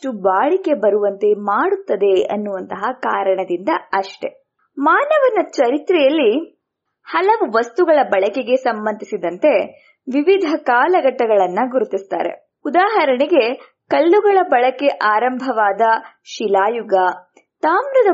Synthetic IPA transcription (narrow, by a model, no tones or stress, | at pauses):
ʈubaːɭike̞bɐɾuʋɐnt̪e̞maːɽut̪ːɐd̪e̞ɐ̰nːuʋɐnt̪ɐɦɐkaːɾɐɳɐd̪ind̪ɐɐʂʈe̞̰ | maːnɐʋɐnɐt͡ʃɐɾit̪ɾɛjɐlːi | hɐlɐʋuʋɐst̪uɡɐɭɐbɐɭɐkeɡe̞sɐmbɐnd̪ʱisid̪ɐnt̪e̞ | ʋiʋid̪ʱɐkaːlɐɡɐʈːɐɡɐɭɐnːɐɡuɾut̪ist̪a̰ːɾḛ | ud̪aːɦɐɾɐɳiɡe̞ | kɐlːuɡɐɭɐbɐɭɐke̞ʔaːɾɐmbʱɐʋaːd̪ɐ | ʃilaːjuɡɐ | t̪aːmɾɐd̪ɐ